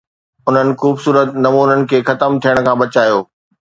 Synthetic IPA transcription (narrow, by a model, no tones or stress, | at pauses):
ʊn̤ənɪ̆xuːbsuːɾət̪nɐmuːnənɪ̆kʰeːxɐt̪əmt̪ʰijəɽ̃̆kʰãːbɐt͡ɕaːjoː